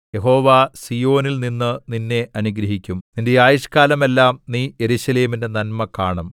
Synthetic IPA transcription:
je̞ɦo̞ːʋaːsijo̞ːnilninːɨninːe̞ʔɐnuɡɾɐɦikʲːumninde̞aːjiʂkaːlɐme̞lːaːmniːje̞ɾuɕɐle̞ːminde̞nɐnmɐkaːɳɐm

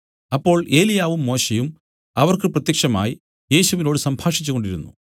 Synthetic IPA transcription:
ɐpːo̞ːɭe̞ːlijaːʋumːo̞ːɕejum | ɐʋɐrkɨprɐt̪jɐkʂɐma̰ːji | je̞ːɕuʋinoːɽɨsɐmbʱaːʂit͡ɕːuɣo̞ɳɖiɾunːṵ

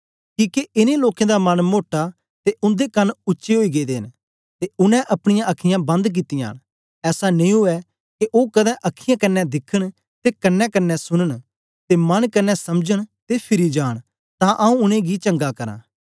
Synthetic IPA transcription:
kiːkeɪnẽloːkẽd̪amɐnmoːʈa | t̪eʔʊ̃nd̪ekɐnʊːʃeɦoːiɡed̪ḛːn | t̪eʊnɛ̃ʔɐpɽ̃ɪjãɐkʰɪjãbɐ̃nd̪k̬ɪt̪ːɪjã̰ːn | ɛːsanẽĩɦʊɛ | keʔoːkɐd̪ɛ̃ʔɐkʰɪjãkɐnːɛd̪ɪkʰːəɽ̃ | t̪ekɐnːɛkɐnːɛsʊnəɽ̃ | t̪emɐnkɐnːɛsɐmd͡ʒəɽ̃t̪epʰɪɾid͡ʒaːɽ̃ | t̪ãʔɐũʊnẽɡit͡ʃɐ̃ŋɡakɐɾã̰ː

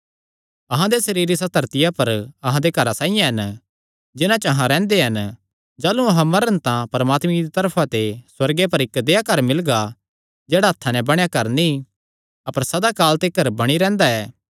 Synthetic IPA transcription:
ɐɦãd̪esɐɾiːɾisɐt̪ɐɾt̪ɪjapɐɾɐɦãd̪ekɐɾasãːijãɦɐn | d͡ʒɪnãt͡ʃɐɦãɾɛ̃ːnd̪eɦɐn | d͡ʒaːlũɐɦãmɐɾənt̪ãpɐɾəmaːt̪mĩid̪it̪ɐɾpʰãt̪eswɐɾɡep̬ɐɾɪkd̪eːjakɐɾmɪlɡa | d͡ʒɛːɽaɐt̪ʰːanɛbɐɽ̃jakɐɾnĩ | ɐpəɾsɐd̪akaːlt̪ekɐɾbɐɽ̃iɾɛ̃ːnd̪aɛː

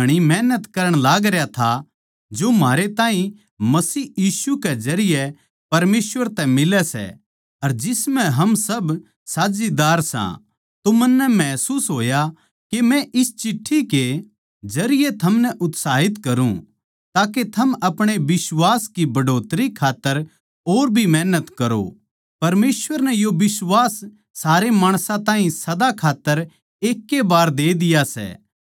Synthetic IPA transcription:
ɐɽ̃imɛːnət̪kɐɾəɽ̃laːɡɾjat̪ʰa | d͡ʒomaːɾet̪ãːɦĩ | mɐsiːjiːsukɛd͡ʒɐɾɪjɛ | pɐɾmeːsʋəɾt̪ɛ̃mɪlɛsɛ̰ | ɐɾd͡ʒɪsmɛ̃ɦɐmsɐb | saːd͡ʒid̪aːɾsã̰ | t̪omɐnːɛmɛːsuːsɦoːja | kemɛ̃ʔɪst͡ʃɪʈʰːike | d͡ʒɐɾɪjet̪ʰɐmnɛʔʊt̪saːɦɪt̪kɐɾṵ̃ | t̪aːket̪ʰɐmɐpɽ̃ebɪswaːskibɐɖʱoːt̪ɾikʰaːt̪ːəɾ | oːɾbʱimɛːnət̪kɐɾo̰ | pɐɾmeːsʋəɾnɛjobɪswaːsː | aːɾemaːɽ̃sãt̪ãːɦĩsɐd̪akʰaːt̪ːəɾ | eːkːebaːɾd̪eːd̪ɪjasɛ̰ː

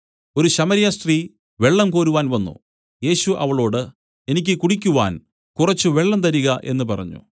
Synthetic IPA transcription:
o̞ɾuɕɐmɐɾijɐst̪riː | ʋe̞ɭːɐmkoːɾuʋaːnʋɐnːṵ | je̞ːɕuʔɐ̰ʋɐɭo̞ːɽɨ | e̞nikʲːɨkuɽikʲːuʋa̰ːn | kurɐt͡ɕːuʋe̞ɭːɐmt̪̬ɐɾuɣɐʔe̞̰nːɨpɐrɐ̰ɲːṵ

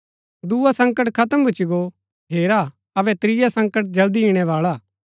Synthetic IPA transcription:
d̪uːasɐ̃ŋkəʈkʰɐt̪əmbʱʊt͡ʃiɡo | ɦeːɾa | ɐbɛt̪ɾɪjasɐ̃ŋkəʈ̚d͡ʒɐld̪iɦiɽ̃ɛʋaːɭaː

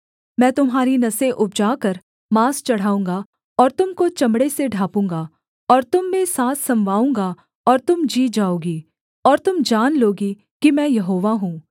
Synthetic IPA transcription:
mɛ̃ːt̪ʊmɦaːɾinɐseʔʊp̚d͡ʒaːkɐɾ | maːst͡ʃɐɽ̤aːũːŋɡa | ɔːɾt̪ʊmkot͡ʃɐ̃mɽeseɖʱaːpũːŋɡa | ɔːɾt̪ʊmːẽsaːt̪ʰsɐ̃mʋaːũːŋɡa | ɔːɾt̪ʊmd͡ʒiːd͡ʒaːoːɡiː | ɔːɾt̪ʊmd͡ʒaːnloːɡi | kimɛ̃ːjɐɦoːʋaɦũː

